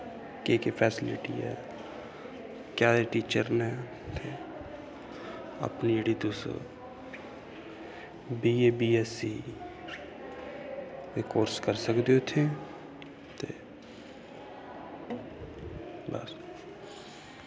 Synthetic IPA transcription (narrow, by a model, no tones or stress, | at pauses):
keːkefʰɛːsɪlɪ̰ʈḭɛ̰ː | kjaːeʈiːt͡ʃəɾnɛ | t̪e | ə̰pnijəɽid̪oːso̰ | biːeːbiːɛsi | ɾekoːɾskəɾsəkd̪eot̪ʰeː | t̪eː | ba̰ːs